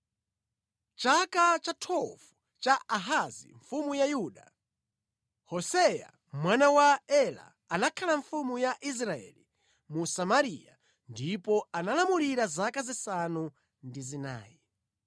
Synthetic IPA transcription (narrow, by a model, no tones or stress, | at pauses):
t͡ʃakat͡ʃatʰɔfu | t͡ʃaaɦazḭɱfumujajuːɗa | hɔsɛja̰ | mwanawaɛla̰ːnakʰalaɱfumujaʔis̬ɾaɛ̰li | musamaɾija | ndipɔanalamuliɾazakazisanu | ndizina̰ːji